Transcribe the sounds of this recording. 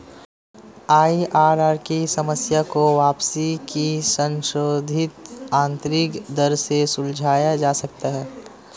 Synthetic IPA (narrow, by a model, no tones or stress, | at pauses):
aːiʔaːɾaːɾkisɐməsjakoʋaːpsikisə̃nʃɾoːd̪ʱɪt̪ãːnt̪ɾɪkd̪əɾsesʊld͡ʒʱaːjad͡ʒaːsɐk̚t̪aɦɛː